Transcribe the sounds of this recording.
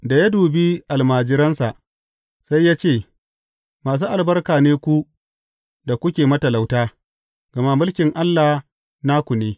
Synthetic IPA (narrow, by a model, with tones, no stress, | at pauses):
da˨ja˦duː˨bi˦ʔa˨lmaː˨d͡ʒɪ˦ɾɐ˦nsa˨ʔ | sa˦jːaː˦t͡ʃeː˦˨ | maː˨s̬uː˦ʔa˨lbɐ˦rkaː˨neː˦kʷu˦ | da˨kʷʊ˦kʲeː˨mɐ˦tɐ˨la˨wtaː˦ | ɡ̥ɐ˨ma˦mʊ˦lkʲɪ˨ŋʔa˦lːa˨h | naː˦kʷu˨neː˦